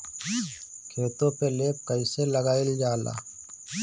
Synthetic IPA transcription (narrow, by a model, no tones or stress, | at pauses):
kʰeːt̪õpeleːp̚kəɪseləɡaːɪld͡ʒaːla̰ː